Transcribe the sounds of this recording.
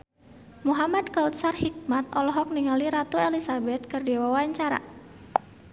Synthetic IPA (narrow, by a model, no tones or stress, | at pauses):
muɦamad̪kaut̪̚sarhik̚mat̪̚ɔlɔɦɔk̚niŋaliɾat̪uelisabɛt̪̚kɨrdiwawaɲt͡ʃaɾa̰